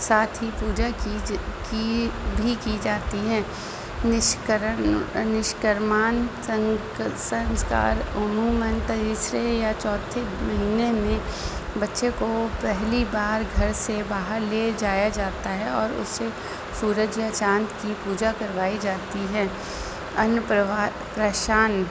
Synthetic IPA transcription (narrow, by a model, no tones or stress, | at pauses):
saːt̪ʰɦipuːd͡ʒa | kibʱikid͡ʒaːt̪iɦɛ̃ː | nɪʃkɾənɪʃkəɾmaːn | sə̃nska̰ːɾʊmuːmə̃nt̪diːsɾejat͡ʃɔːt̪ʰemɐɦiːnemẽbɐtːʃekopɛɦlibaːɾɡʱɐɾsebaːɦəɾled͡ʒaːjad͡ʒaːt̪aɦɛɔːɾʊ̰sːe | suːɾəd͡ʒjat͡ʃãːnt̪kipuːd͡ʒakɐɾʋaːid͡ʒaːt̪iɦɛ̃ː | ɐnpɾa | pɾəʃaːn